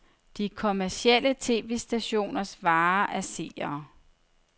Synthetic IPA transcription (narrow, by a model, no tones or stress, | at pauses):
d̥ikʰo̝mæɐsiel̰ət͡sʰe̝̰ːʋe̝sd̥æɕo̝̰ːnɐsʋɑ̈ːʔæɐse̝̰ːɐː